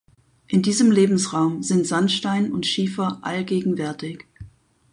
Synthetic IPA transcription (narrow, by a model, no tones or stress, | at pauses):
ʔɪndiːzəmleːbm̩sʁaʊmzɪntz̥anʃtaɪnʊntʃiːfɐʔa̰lɡeːɡŋ̩vɛɐtʰɪç